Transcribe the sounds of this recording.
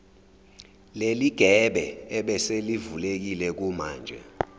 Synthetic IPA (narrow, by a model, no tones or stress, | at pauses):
leliɡ̥ʱɛɓɛɛɓɛselivulek̬ilɛk̬umaːnd͡ʒʱɛ̰